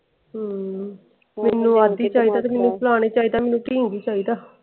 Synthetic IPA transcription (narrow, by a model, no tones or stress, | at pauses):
ɦ | mɛːnːũːaːd̪iːt͡ʃaːiːd̪aːt̪emɛːnːũːplaːñeːt͡ʃaːiːd̪aːmɛːnũːʈiĩŋɡiːt͡ʃaːiːd̪aː